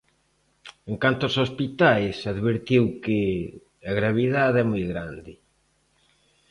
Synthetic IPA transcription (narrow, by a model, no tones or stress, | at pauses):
eŋkant̪ʊosospit̪ajsaðβeɾt̪iwkɪ | aɣɾaβ̞iðaðɛmojɣɾand̪ɪ